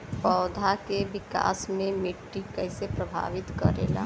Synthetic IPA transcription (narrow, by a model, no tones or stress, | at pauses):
pɔːd̪ʱakeʋɪka̰ːsmẽmɪʈːikɛɦsepɾəbʱa̰ːʋɪt̪kəɾḛːla̰ː